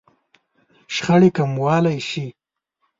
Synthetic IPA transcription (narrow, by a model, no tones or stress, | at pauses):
ʃxəɽekamwɑːlajʃi